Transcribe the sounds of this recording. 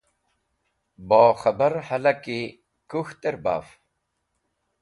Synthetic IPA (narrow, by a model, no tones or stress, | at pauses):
bɔːxɐbɐɾhɐlɐki | kuxt̪eɾba̰ːf